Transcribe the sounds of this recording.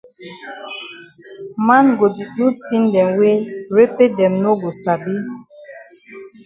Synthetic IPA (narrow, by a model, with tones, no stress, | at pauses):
ma˦nɡo˨di˨d͡ʒu˦ti˦n˦dɛ˨mwe˦ɾe˦pe˦dɛ˨mno˦ɡo˨sa˨bi˦